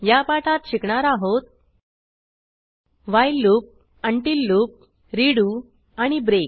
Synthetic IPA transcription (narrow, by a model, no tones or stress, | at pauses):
japaʈat̪ɕikɳaɾaɦot̪̚ | ʋajlːuːp̚ | əɳʈilːuːp̚ | ɾiɽu | aɽ̃ibɾek̚